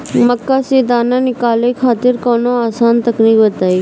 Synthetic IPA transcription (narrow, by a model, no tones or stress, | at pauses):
məkːased̪aːnanɪkaːlekʰaːt̪ɪɾkoːnoaːsaːnt̪əkniːkbət̪aːiː